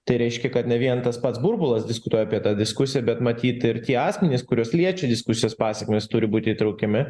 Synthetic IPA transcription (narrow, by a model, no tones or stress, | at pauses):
t̪ɐɪɾʲɛɪʃʲkʲɛkɐt̪nʲɛʋʲiɛnt̪ɐspɐt̪sbʊɾbʊlˠɐsd̪ʲɪskʊt̪uɔjɛɐpʲiɛt̪ɑːd̪ʲɪskʊsʲɪjɛbʲɛt̪mɐt̪ʲiːt̪ɪɾt̪ʲiɛɑːsʲmʲɛnʲɪskʊɾʲoːslʲiɛt͡ʃʲɛd̪ʲɪskʊsʲɪjoːspɑːsʲɛkmʲest̪ʊɾʲɪbuːt̪ʲɪiːt̪ɾɐʊkʲɛmʲɪ